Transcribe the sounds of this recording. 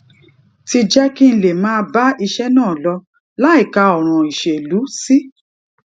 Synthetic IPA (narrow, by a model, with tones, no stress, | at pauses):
ti˧d͡ʒɛ˦ki˦n̩˦˧le˨mãː˦ba˦i˧ʃɛ˦nãː˦˨lɔ˧ | la˦i˦˨ka˧ɔ˨ɾ̃ɔ̃˨i˨ʃe˨lu˨˦si˦